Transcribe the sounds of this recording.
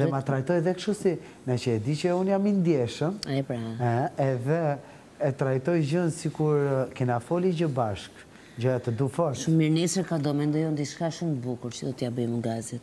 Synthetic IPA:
ðɛmat̪ɾajt̪ɔjðɛkʃusi | nat͡ʃəɛd̪it͡ʃəunjamind̪jɛʃəmaɛpɾaɛɛðɛː | t̪ɾajt̪ɔjd͡ʒənsikuɾkɛnafɔlid͡ʒəbaʃk | d͡ʒɔjat̪əd̪ufɔɾʃumiɾnisɾakad̪ɔmɛnd̪ɔjund̪iʃkaʃumbukuɾt͡ʃəd̪ɔt̪jabəmuɡazit̪

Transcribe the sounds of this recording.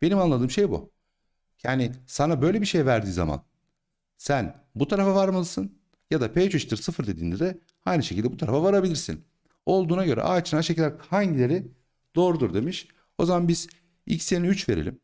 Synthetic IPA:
b̥e̞nimanlˠad̪ɯːmʃe̞jbṵ | jaːnɪsanabø̞jlʲebiʃe̞jvæɾd̪iːza̰ma̰n | sæn | but̪ʰaɾafavaɾmalˠɯsɯn | jad̪apʰejt͡ʃʰuʃt̪ɯɾsɯfɯɾd̪e̞d̪iːnd̪ɛd̪ɛ | hajnɯʃecʰilʲd̪ɛbut̪ʰaɾa̰favaɾabilʲiɾsḭn | o̞lˠd̪uːnaɟø̞ɾɛ̰ʔaːt͡ʃʰɯnaʃecʰilʲːæɾhaɲɟilʲe̞ɾi | d̪̥o̞ːɾud̪uɾd̪e̞miʃ | o̞zamanbiz̥ | ḭcseniyt͡ʃve̞ɾḛlʲḭm

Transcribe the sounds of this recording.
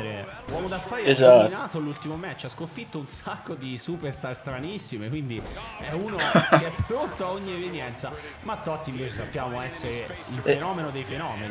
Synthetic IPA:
ɾe | lwɔːmod̪afːajɛezainaːt̪olult̪imomɛt͡ʃːaskoɱfit̪ːounsakːod̪isuperst̪arst̪ɾanisːimekwind̪iɛuːnokeɛpːɾont̪oaoɲːievenjɛnt̪sa | mat̪ːɔt̪ːiɱveːt͡ʃesapːjaːmoɛsːeɾe | ilfenɔːmenod̪ejfenɔːmeni

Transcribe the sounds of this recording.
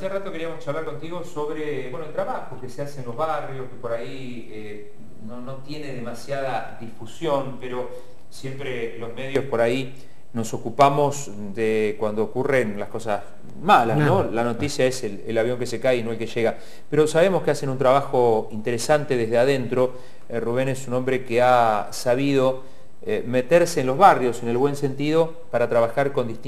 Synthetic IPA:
aserat̪o̞ke̞ɾiamost͡ʃaβlaɾko̞nt̪iɣo̞soβɾebwe̞noelt̪ɾaβaxokeseasenlozβarjo̞skepo̞ɾai | e | nono̞t̪je̞neðemasjað̞aðifusjo̞npeɾo̞ | sje̞mpɾelo̞zme̞ðjo̞spo̞ɾai | no̞so̞kupamo̞s | ðekwand̪oːkure̞nlasko̞sas | malasnnolano̞t̪isjaeslelaβ̞jo̞ŋkese̞kajinoelkeʒeɣa | peɾo̞saβemoskease̞nũnt̪ɾaβaxo̞int̪eɾesant̪e̞ðezð̞eaðe̞nt̪ɾo̞ | ruβ̞e̞nesunõ̞mbɾe̞keasaβ̞ið̞o | eme̞t̪eɾseːnlo̞zβarjo̞se̞ne̞lβwe̞nse̞nt̪iðo̞ | paɾat̪ɾaβaxaɾko̞nd̪it̪i

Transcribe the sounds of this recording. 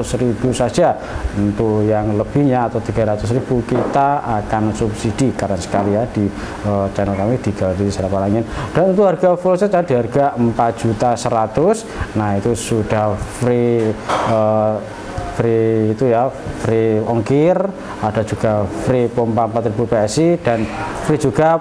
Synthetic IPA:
sɾib̥usad̥ʒ̥a | ənt̪ujaŋləb̥ihɲaːt̪awt̪iɡ̥a̤ɾat̪ʊs̬ɾib̥ukit̪aakansupsid̥ikaɾansə̥kalijad̥i | ət͡ʃanəlkamid̪̥i̤ɡ̥aldiisaɾapalaŋɪnd̥aənt̪̬uɦarɡ̥aflsɛad̥̪iɦarɡaʔəmpat̪̚d̥ʒ̥ut̪asəɾat̪ʊs | nait̪usuɖ̥ahfɾi | ə | fɾiːt̪uja | fɾiɔŋkɪr | ad̥a̤d͡ʒ̥uɡ̥afɾipɔmpampat̪ɾibupeɛsid̥anfɾid͡ʒ̥uɡ̥a

